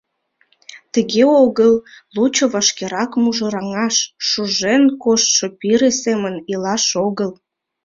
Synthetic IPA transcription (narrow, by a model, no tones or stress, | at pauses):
t̪əɣeoɣəllut͡ɕoβɑʃkeɾɑkmuʒə̆ɾɑŋɑʃːuʒenkoʃʃopiɾesemənilɑʃoɣəl